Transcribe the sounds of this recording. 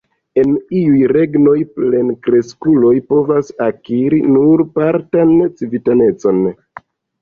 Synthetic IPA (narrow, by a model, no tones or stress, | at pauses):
e̞niujɾe̞ɡno̞jple̞nkɾe̞skulo̞jpo̞vasakiɾinuɾpaɾtant͡sivitane̞t͡so̞n